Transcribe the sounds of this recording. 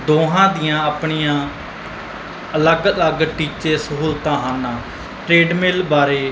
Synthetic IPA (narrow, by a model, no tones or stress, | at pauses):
d̪oːɦãːd̪ɪjãːaːpɳiːjãː | ələɡələɡʈiːt͡ʃeːsəɦuːlt̪ãːɦaːnːãː | ʈɾeːɖmelbaːɾeː